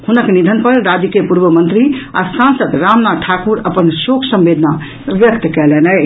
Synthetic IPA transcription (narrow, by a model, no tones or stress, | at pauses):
hunəknid̪ʱənpəɾɾad͡ʒəkepuɾbəmə̃nt̪ɾia̰sãnsəd̪ɾamnaʈʰakuɾəpənsokʰsə̃mbed̪ʱna | ʋjəkt̪kɛlɛnɛ